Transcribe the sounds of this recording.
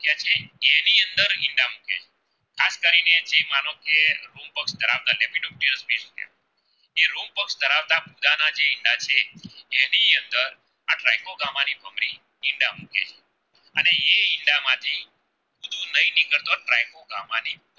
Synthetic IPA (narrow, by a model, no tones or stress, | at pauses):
kjat͡ʃʰeːniənd̪əɾɪ̃ɳɖamukḛt͡ʃʰe̥ | kʰaskəɾined͡ʒemanokeɾumpəksd̪ʱəɾaʋt̪alepiʈɔf̚ʈiɾəspeskja̰ | eɾumpəksd̪ʱəɾaʋt̪abud̪anad͡ʒeɪɳɖat͡ʃʰeː | niənd̪əɾ | ãʈɾajkoɡamanibʱəmɾi | ɪɳɖamṵkḛt͡ʃʰe̥ | ə̰neeɪɳɖamãt̪ʰi | bud̪ʱũnəĩniɡəɾt̪oʈɾajkoɡamani